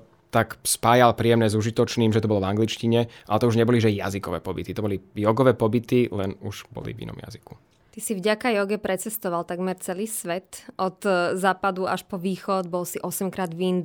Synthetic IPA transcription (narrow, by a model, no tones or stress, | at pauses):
t̪akspaːjalpɾijɛmnɛːzuʒit̪ɔt͡ʃniːmʒɛt̪ɔbɔlɔvaŋɡlit͡ʃciɲɛʔalɛt̪ɔuʒɲɛbɔliʒɛja̰zikɔʋɛ̰ːpɔbḭt̪it̪ɔbɔlijɔɡɔʋɛːpɔbit̪ilɛnuʒ̥bɔ̰lḭvḭnɔ̰mja̰ziku | t̪isivɟakajɔɡɛpɾɛt͡sɛst̪ɔʋalt̪aɡmɛɾt͡sɛliːsʋɛt̪ʔɔt̪zaːpad̪uaʃpɔʋiːxɔd̪bɔlsiʔɔsɛmkɾaːd̪ʋind̪